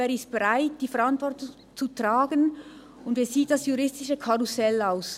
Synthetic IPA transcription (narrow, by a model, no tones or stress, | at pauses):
eːɾɪst̚b̥ɛʁaɪt̚d̥iːfɛɐɾantv̥ɔʁtʊŋ | t͡sutʁ̥aːɡən | ʊndeːɐziːt̚d̥asjuʁɪstɪʃəkʰaʁusɛlaʊs